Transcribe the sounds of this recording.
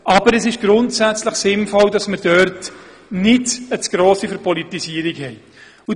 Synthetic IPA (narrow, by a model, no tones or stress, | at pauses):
ʔɑbəɾɛsɪʃɡ̥ɾʊntsæt͡sləχsɪnfɔldɑsməɾd̥œɾt | nɪdət͡sɡ̥ɾoːsifəɾpʰɔlitisiːəɾikhɛɪ | ʊ